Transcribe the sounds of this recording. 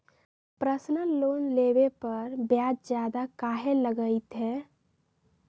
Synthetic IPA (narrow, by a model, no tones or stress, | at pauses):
pɾəsnənlonlebepəɾbjad͡ʒd͡ʒjad̪akaɦeləɡəɪt̪ɦɛː